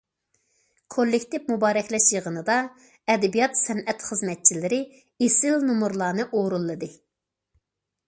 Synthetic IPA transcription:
kʰolˠːɪkʲt̪ɪpmubɑːɾɛkʲlɛʃjəʁənɨd̪ɑ | ɛd̪ɛbijɑt̪sɛnɛt̪χəzmɛt̪̚t͡ʃʰilɪɾɪ | esɪlnumuɾlˠɑːnɨʔoɾulˠːɨd̪ɨ

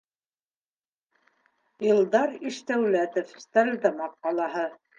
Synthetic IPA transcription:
ilˠd̪ɑɾiʃt̪æwlæt̪ofst̪æɾd̪ɑmɑqːɑlˠɑɦɤ

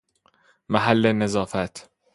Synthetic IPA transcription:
maɦalːenezɑːfæt̪ʰ

